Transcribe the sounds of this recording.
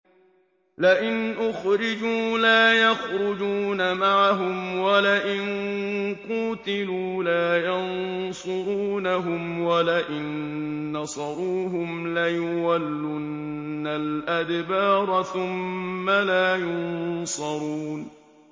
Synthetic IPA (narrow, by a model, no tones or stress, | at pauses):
laʔɪnʔʊxɾɪd͡ʒuːlaːjɑxɾʊd͡ʒuːnamaʕaɦʊmwalaʔɪnquːt̪ɪluːlaːjɑnnsʊɾuːnaɦʊmwalaʔɪnːɑsˤɑɾˤuːɦʊmlajʊwalːʊnː | alʔad̪bɑːɾˤɑθʊmːalaːjʊnsˤɑɾˤuːn